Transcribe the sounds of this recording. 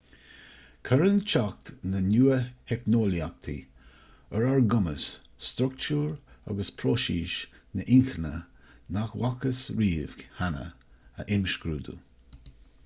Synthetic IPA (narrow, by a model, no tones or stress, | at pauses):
kʰəɾənt͡ʃak̚t̪nənuːəhɛknoːliak̚t̪ʰḭ | əɹaɹɡʊməs | st̪ɾʊk̚t͡ʃuːɹa̰ɡəspʰɾoːʃiːʃnəʔɪŋxənə | naxwakəsɹiːvɡhanə̰ | ə̰ʔɪmʃɡɾuːd̪ṵ